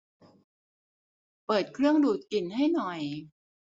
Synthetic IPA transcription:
pɤː˨˩t̪̚kʰɾɯ˥˩əŋduː˨˩t̪̚ki˨˩nɦa˥˩jnɔ˨˩j

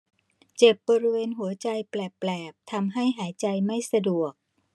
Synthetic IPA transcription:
t͡ɕe˨˩p̚bɔː˧ɾi˦˥weː˧nɦu˩˦ɐt͡ɕa˧jplɛː˨˩lɛː˨˩p̚t̪ʰa˧mɦa˥˩jɦaː˩˦jt͡ɕa˧jma˥˩jsa˧du˨˩ək̚

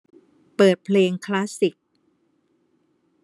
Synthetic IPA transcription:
pɤː˨˩t̪̚pʰleː˧ŋkʰlaː˦˥si˨˩k̚

